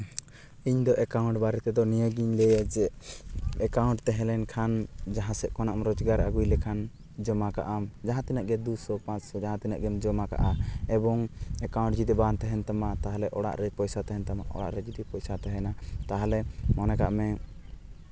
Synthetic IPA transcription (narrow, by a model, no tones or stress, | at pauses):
iɲd̪ɔʔɛkawɳʈbaɾɛt̪ɛd̪ɔnijəɡiɲlɛjad͡ʒɛʔɛkawɳʈt̪ɛɦɛ̃lɛnkʰand͡ʒaɦãsɛʔkɔnaʔmɾɔd͡ʒɡaɾaɡujlɛkʰan | d͡ʒɔmakaʔamd͡ʒaɦãt̪ɛnəʔɡɛd̪usɔpãt͡ʃsɔd͡ʒaɦãt̪ɛnə̰ʔɡɛmd͡ʒɔmaka̰ʔaɛbɔŋɛkaw̃ɳʈ̚d͡ʒid̪ɛbant̪ɛɦɛnt̪amat̪aɦalɛʔɔɽa̰ʔɾɛpɔjsat̪ɛɦɛnt̪amaʔɔ̰ɽa̰ʔɾɛd͡ʒid̪ipɔjsat̪ɛɦɛnat̪aɦalɛmɔnɛkaʔmɛ